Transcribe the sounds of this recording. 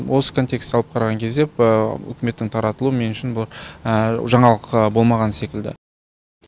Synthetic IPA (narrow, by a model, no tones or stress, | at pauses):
wo̞sə̥kʰo̞nt̪ʲe̞kst̪ɑlˠəp̚qʰɑɾɑʁɑŋkʲʰe̞zd̪e̞pʏ̰kʲɪme̞t̪ːɪŋt̪ʰɑɾɑt̪əlˠuəme̞nʏʃɪnbʊlˠɑɾ | ʒɑɴɑlˠəqbo̞lˠmɑʁɑnse̞kʲɪld̪ɪ̰